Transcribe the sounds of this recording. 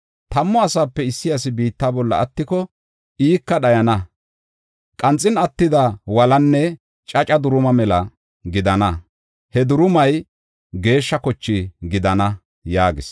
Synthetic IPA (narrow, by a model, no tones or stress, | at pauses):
t̪ɐmːɔɐsaːpːɛɪsːɪjɐs̬ɪbiːt̪ːaːbɔlːɐ̰ɐt̪ːɪkɔ | iːkːɐɗɐjɐnɐ | kʼɐnt͡sʼːɪnɐt̪ːɪd̪ɐwɐlɐnːɛ | t͡ʃʼɐt͡ʃʼɐd̪ʊɾʊmɐmɛlɐ | ɡɪd̪ɐnɐ | hɛd̪ʊɾʊmɐj | ɡe̞ːʃːɐkɔt͡ʃːɪɡɪd̪ɐnɐ | jaːɡɪs